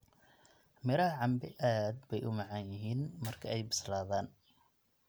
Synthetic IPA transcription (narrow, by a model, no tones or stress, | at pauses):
mɪɾɐhʕɑmbɪʔaːd̪̚bɛjʔʊmɑʕɑnjɪɦiːnmɐrkʰɐɛjbɪslaːðaːn